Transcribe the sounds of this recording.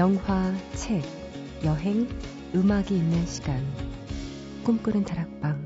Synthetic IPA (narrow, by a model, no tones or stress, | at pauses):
jʌŋwat͡ɕʰek̚ | jʌɦe̞ŋ | ɯmaɡiːnːɯnɕʰi̥ɡ̥an | k͈umk͈ɯɾɯntaɾak̚p͈aŋ